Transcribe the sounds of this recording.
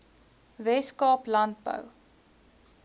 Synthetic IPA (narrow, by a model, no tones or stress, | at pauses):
vɛskɑːplɐnt̚bə̰w